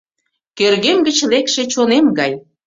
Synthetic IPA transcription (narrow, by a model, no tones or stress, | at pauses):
kørɣemɡət͡ɕlekʃet͡ɕonemɡɑj